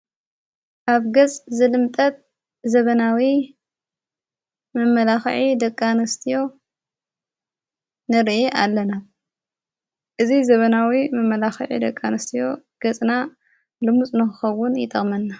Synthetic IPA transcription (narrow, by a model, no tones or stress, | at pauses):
kaβɡɐt͡sʼzɨlɨmt̪ʼɐt̪̚ | zɐβɐnawi | mɐmːɐlaxʕid̪ɐkʼːanɐst̪ʰijo̞ | nɨɾʔeʔalːɐna | ʔɨzizɐβɐnawimɐmːɐlaxɨʕḭd̪ɐkʼːanɐst̪ʰijo̞ | ɡ̥ɐt͡sʼna | lɨmut͡sʼnɨxɨxɐwːʊnjɪt̪ʼɐχʼmɐnːa